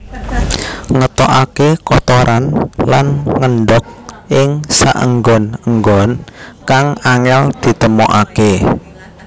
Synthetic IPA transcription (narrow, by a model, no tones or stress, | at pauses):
ŋət̪ɔʔakekɔt̪ɔɾʔanlanŋənɖɔk̚ɪŋsa̰ʔə̰ŋɡɔnəŋɡɔnkaŋaŋɛld̪̥i̤t̪əmoʔake